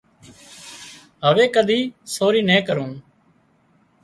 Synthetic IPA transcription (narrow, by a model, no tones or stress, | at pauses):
ɦəʋeːkəd̪ʱiːsoːɾiːnẽːkəɾũːn